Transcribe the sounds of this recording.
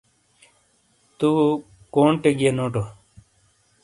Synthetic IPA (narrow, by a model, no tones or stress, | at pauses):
t̪u | koːɳʈeɡenoːʈo